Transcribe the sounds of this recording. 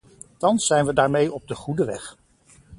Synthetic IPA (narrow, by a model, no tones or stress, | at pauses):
tɑnsːɛjnʋədaːɹmejɔb̚dəχudəʋɛχ